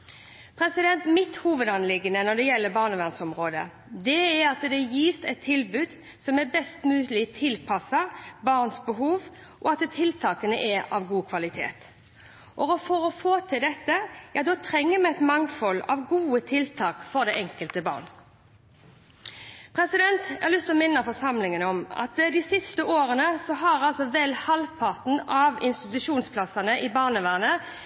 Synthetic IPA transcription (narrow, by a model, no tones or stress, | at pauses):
pʰʁɛsɪd̪ɛnt̪mɪt̪huːʋəd̪ɑnlɪɡənənɔd̪ɛjɛlːəbɑːʁnəʋæʁnsɔmʁoːd̪ə̰ | d̪ɛæɾɑt̪d̪ɛjiːst̪ɛt̪ʰːɪlbʉːd̪ | sɔmɛbɛst̪mʉːlɪt̪ʰɪlpʰɑsɑbɑʁnsbəɦuːʋ | ʔɔɑt̪t̪ʰɪlt̪ʰɑːkənəʔɛɑ̰ʋɡuːkʰʋɑlɪt̪ʰḛːt̪ | ʔɔɔfɔʁɔfoːt̪ʰɪld̪ɛt̪ːəjɑːd̪oːt̪ʰʁɛŋːəmɛɛt̪mɑŋfɔlɑ̰ʋɡuːət̪ʰɪlt̪ʰɑːkfɔʁd̪ɛʔɛŋkəlt̪əbɑ̰ːʁn | pʰʁɛsɪd̪ɛnt̪æhɑlʏst̪ʰɪlɔmɪnːəfɔʁsɑmlɪŋənɔmɑ̰t̪d̪ɪsɪst̪əʔoːɾənəsɔɦɑɾɑlsɔʋɛlhɑlpʰɑʁt̪n̩ɑʋɪ̰nst̪ɪt̪ʉʃuːnspʰlɑsɑnəʔɪbɑʁnəʋæːʁnə